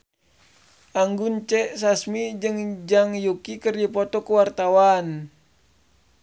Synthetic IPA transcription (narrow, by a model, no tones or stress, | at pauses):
ʔaŋɡunt͡ʃɛʔsasmid͡ʒɨŋd͡ʒaŋjukikərdipɔt̪ɔkuwart̪awan